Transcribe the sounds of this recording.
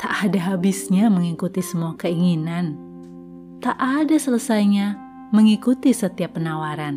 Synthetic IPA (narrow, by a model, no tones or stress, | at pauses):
t̪aʔadaɦabisɲaməŋikut̪isəmuakəiŋinan | t̪aʔadasələsajɲa | məŋikut̪isət̪iapːənawaɾan